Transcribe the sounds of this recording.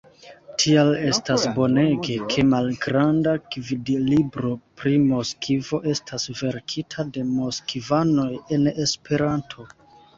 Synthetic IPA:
tʰiale̞stasbo̞ne̞ɡekʰe̞malɡɾandakvidlibɾo̞pɾimo̞skivo̞ʔe̞stʰasve̞ɾkʰitʰade̞mo̞skivano̞je̞ne̞spʰe̞ɾantʰo̞

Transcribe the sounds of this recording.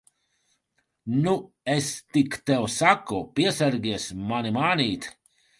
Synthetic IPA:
nu | est̪ikt̪ɛwsakupʲiɛsɛɾɡʲiɛsmanimaːniːt̪

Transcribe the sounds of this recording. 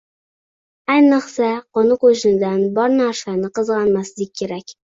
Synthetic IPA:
ajnɨqsaqonɨqoʃɪnɪd̪anbɒɾnaɾsanɪqɨzʁɑnmaslɪk̚ʲʰːe̞ɾakʲ

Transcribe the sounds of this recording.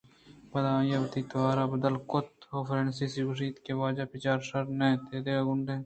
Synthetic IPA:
bɐd̪ãːjaʋɐt̪iːt̪ɐʋaːɾaːbɐd̪əlkʊt̪oːfɾeːnsiːsiɡʊʃ̬iːt̪keʋaːd͡ʒaːpɪt͡ʃaːɾʃɐɾnẽːt̪eːd̪eːaɡʊɳɖeː

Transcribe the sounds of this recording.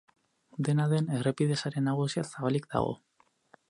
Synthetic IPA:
d̪e̞naðe̞ne̞repiðe̞saɾe̞nːaɣ̞usiasaβalikd̪a̰ɣ̞o̞̰

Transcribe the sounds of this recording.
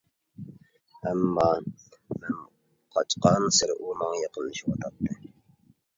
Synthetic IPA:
æmːɑː | mɪn | qʰɑt͡ʃqɑnsɪɾʔumɑŋjɑqənɨʃwot̪ʰɑt̪ʰːɨ

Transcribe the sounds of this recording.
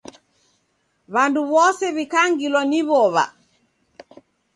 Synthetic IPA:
βanduβɔsɛβikaŋɡilwɔniβɔβa̰

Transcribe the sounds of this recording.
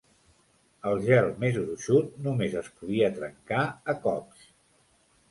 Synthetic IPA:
əlˠʒɛlˠmezuɾuʃut̪̚numezəspuðiət̪ɾəŋkaəkɔps

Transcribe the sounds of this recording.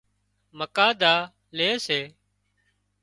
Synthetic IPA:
məkaːd̪aː | leːseː

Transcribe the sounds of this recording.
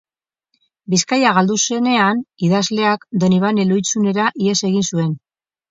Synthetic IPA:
biskajaɣ̞ald̪usene̞aniðazle̞akd̪o̞niβ̞anelujt͡sune̞ɾaʔie̞se̞ɣinsue̞n

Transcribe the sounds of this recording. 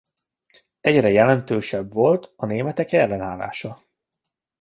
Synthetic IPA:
ɛɟrɛjɛlɛnt̪øːʃɛbvo̞lt̪ɒneːmɛt̪ɛkɛlːɛnaːla̰ːʃɒ

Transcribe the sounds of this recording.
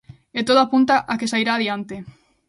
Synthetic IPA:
et̪oðoapunt̪aʔakesajɾaːðjiant̪e

